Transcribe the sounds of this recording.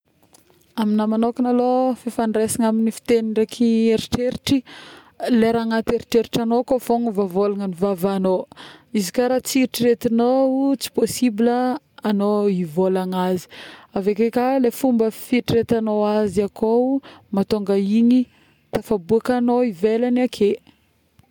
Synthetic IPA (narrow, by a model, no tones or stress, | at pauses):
aminamanokinalofefanresiŋaminifi̥t̪enirekʰieɾiʈ͡ʂeɾiʈ͡ʂi | leɾaŋat̪eɾiʈ͡ʂeɾiʈ͡ʂanokofoŋəvavolaŋənivavanoizikaɾat͡siɾiʈ͡ʂiɾet̪anout͡si̥posibiləː | noivolaŋazi̥avekekalefumbəfiʈ͡ʂiɾet̪anoaziakʰomat̪oŋɡaiɲi | t̪afabuakanoivelanakʰe